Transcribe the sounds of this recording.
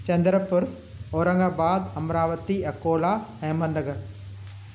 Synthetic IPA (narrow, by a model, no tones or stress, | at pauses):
t͡ʃɐnd̪ɾɐpːʊɾ | oɾɐŋɡabaːd̪ɐmɾaːʋɐt̪iɐkːoːlaːnɐjmɐnd̪ɐɡɐɾ